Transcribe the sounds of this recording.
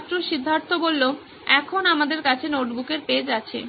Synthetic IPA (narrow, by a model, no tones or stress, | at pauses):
t̪ːɾoʃid̪ʱːaɾt̪obolːo | ɛkʰonamad̪eɾkat͡ɕʰenoʈbukeɾped͡ʑat͡ɕʰḛ